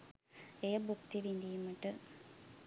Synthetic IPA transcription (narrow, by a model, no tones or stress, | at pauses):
eːbukt̪iʋind̪ijuməʈɨ